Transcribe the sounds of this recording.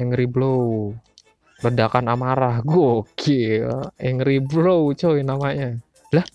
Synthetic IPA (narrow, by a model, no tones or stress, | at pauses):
ɛŋɾiblow | lədakanamaɾahɡuokʰeɛŋɾiblowt͡ʃoinamaɲa | lah